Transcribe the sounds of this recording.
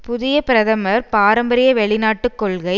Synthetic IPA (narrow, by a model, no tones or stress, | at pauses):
pʊðɪjɐpɪɾɐðɐmɐɾpaːɾɐmbɐɾɪjɐʋɛɭɪnaːʈːɯkːɔɭɣɐɪ